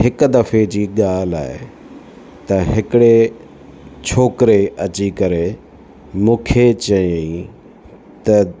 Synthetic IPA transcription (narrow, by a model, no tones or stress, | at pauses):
hɪkd̪ɐfed͡ʑiːɠaːla̰ːe | t̪ɐɦɪkɪɽe | t͡ɕʰoːkɪɾeɐt͡ɕikɐɾe | mũːkʰet͡ɕɐei | t̪ɐ